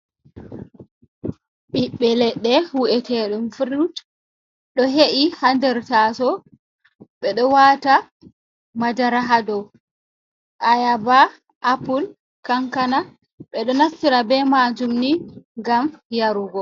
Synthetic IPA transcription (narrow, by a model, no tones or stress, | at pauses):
ɓiɓːɛlɛɗːɛwuʔɛtɛɗumfiɾut | ɗɔɦeʔihandɛɾtasɔ | ɓɛɗɔwata | mad͡ʒaɾaɦadɔ | ʔajaba | ʔːpul | kaŋkana | ɓɛɗɔnasːiɾabɛmad͡ʒumniŋɡamjaɾuɡɔ